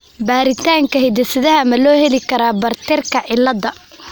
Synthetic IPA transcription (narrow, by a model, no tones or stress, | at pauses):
baːɾɪt̪ʰaːŋkʰɐhɛd̪ɪsɪðɐɦɐmɐlɔːhɛlɪkʰɐɾaːbɐrt̪ʰɪrkʰɐʕɪlːɐdɐ